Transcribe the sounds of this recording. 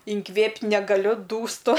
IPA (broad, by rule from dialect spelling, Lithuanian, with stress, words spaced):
ɪŋˈkʋʲeːpʲtʲ nʲɛɡɐˈlʲʊ duːsˈtʊ